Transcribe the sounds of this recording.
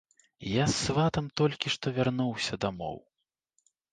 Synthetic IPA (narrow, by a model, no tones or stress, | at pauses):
jasːvat̪ɐmt̪ɔlʲkʲiʂt̪ɔvʲarnuwsʲɐd̪amɔ̰w